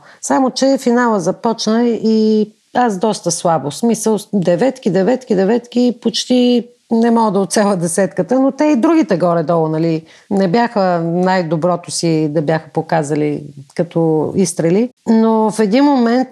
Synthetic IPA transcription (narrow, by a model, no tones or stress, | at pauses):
samot͡ʃɛfinalˠəzɐpɔt͡ʃnəi | asd̪ɔst̪əslˠabosmisəlˠd̪ɛvɛt̪kid̪ɛvɛt̪kʲid̪ɛvɛt̪k̟ipot͡ʃt̪i | nɛmɔɡəd̪ɐot̪t̪sʲalˠəd̪ɛsɛt̪kət̪ənot̪ɛid̪ɾuɡʲit̪ɛɡɔɾɛd̪ɔlˠonɐli | nɛbjaxənajd̪obɾɔt̪ʊsid̪ɐbjaxəpokazəlikɐt̪ɔist̪ɾɛlinofɛd̪inmomɛnt̪